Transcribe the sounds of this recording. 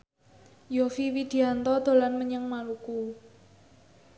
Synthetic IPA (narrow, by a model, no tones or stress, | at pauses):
jofiwid̪̥i̤ant̪ɔd̪̥o̤lanməɲəŋmaluku